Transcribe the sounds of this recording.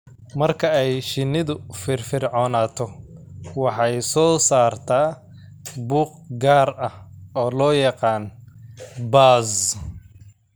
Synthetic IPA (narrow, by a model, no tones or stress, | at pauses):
mɐrkʰɐɛjʃɪnɪðʊfɪrfɪrʕɔːnaːt̪ʰɔwɑħɑjsɔːsaːrt̪ʰaː | buːq | ɡaːrɐhɔːlɔːjɑqɑːn | baːz